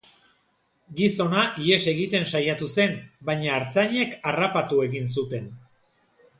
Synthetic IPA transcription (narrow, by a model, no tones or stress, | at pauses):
ɡiso̞naʔie̞se̞ɣit̪e̞nsajat̪use̞nbaɲaːɾt͡saɲe̞karapat̪ue̞ɣins̬ut̪e̞n